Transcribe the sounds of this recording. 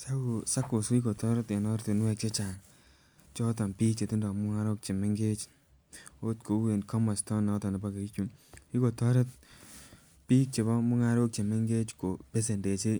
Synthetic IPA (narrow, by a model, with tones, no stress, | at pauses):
sa˦u˨sa˦ko˨su˦i˦ko˨tɔ˦ɾe˦te˨nɔ˦ɾte˨n˦wɛ˧k̚t͡ʃe˦t͡ʃa˨ŋ | t͡ʃɔ˦ta˨npi˦k̚t͡ʃe˨ti˦ndɔ˨mʊ˦ŋa˦ɾo˦k̚t͡ʃe˨me˦ŋɡe˦t͡ʃ | o˦tko˨˦e˨nkɔ˦mɔ˨stɔ˦nɔ˦tɔ˨ne˨ba˦ke˨i˦ku˨ni˦ko˨tɔ˦ɾe˦t̚ | piː˦k̚t͡ʃe˨bɔ˦mʊ˦ŋa˦ɾo˦k̚t͡ʃe˨me˦ŋɡe˦t͡ʃko˨pe˦s̬e˨nde˨t͡ʃe˦